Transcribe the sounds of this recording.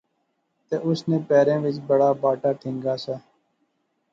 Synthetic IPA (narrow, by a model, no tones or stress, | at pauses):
t̪eːʔʊsneːpɛːɾẽːʋɪt͡ʃbəɽaːbaːʈaːʈʰɪ̃ːŋɡaːsaː